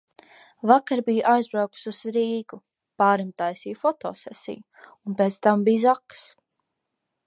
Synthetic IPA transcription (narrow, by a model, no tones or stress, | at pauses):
vakaɾbijʔajzbɾawku̥suz̥ɾiːɡu | paːɾimt̪ajsiːfɔt̪ɔ̰ːsɛ̰sḭj | unpeːt̪st̪ambijzaks